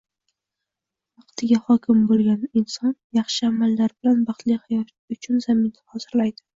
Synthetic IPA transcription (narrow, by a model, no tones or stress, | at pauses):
vɑqt̪ʰɪɡʲahɒkʲʰɪmbolˠɡʲanɪnsɒnjɑχʃɪamalːaɾbɪlanbɑχt̪lɪhajɒt̪ | ʊt͡ʃʰʊnzamɪnhɒzɪɾlajd̪ɪ